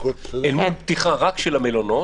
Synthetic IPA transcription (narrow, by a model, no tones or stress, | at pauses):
elmunbt̪iχaʁakʃelamelono